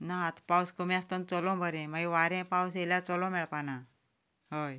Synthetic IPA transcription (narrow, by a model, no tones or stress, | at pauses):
nat̪pawskumĩast̪ənt͡sɔlɔ̃bʱəɾɛ̃maɡiʋaɾɛ̃paws̬elat͡sɔlɔ̃mɛɭpana | ɦoj